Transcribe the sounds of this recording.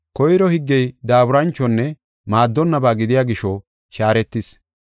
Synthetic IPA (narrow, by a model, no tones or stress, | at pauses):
kɔjɾɔhɪɡːɛjd̪aːbʊɾɐnt͡ʃːɔnːɛ | maːd̪ːɔnːɐbaːɡɪd̪ɪjaːɡɪʃɔ | ʃaːɾɛt̪ːɪs